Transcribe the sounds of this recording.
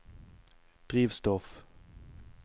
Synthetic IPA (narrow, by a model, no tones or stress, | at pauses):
d̪̥ʁiːʋst̪ɔf